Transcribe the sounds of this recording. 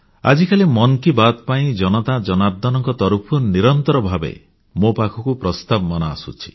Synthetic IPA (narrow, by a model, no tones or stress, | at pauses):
a̰d͡ʒikalimɔnkibat̪paĩd͡ʒɔnɔt̪ad͡ʒɔnaɾd̪ʱɔnɔŋkɔt̪ɔɾupʰuniɾɔnt̪ɔɾɔbʱabḛ | mopakʰɔkupɾɔst̪abɔmanɔa̰sṵt͡ʃʰi̥